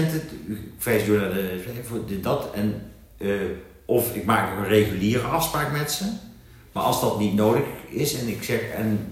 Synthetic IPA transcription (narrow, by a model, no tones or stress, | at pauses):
ntəfɛjsdudadəɛvdɪdɑtɛn | ʔɔfɪkmaːktɔχənrejɣyliːrəɑfspraːkmɛtsə | ma̰ːɹʔɑlˠzdɑtnitnowdəɣɪsɛnɪksɛxɛ̰n